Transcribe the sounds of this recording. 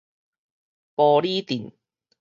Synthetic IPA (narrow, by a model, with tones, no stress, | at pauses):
pɔː˧liː˥t̪iː˨˩n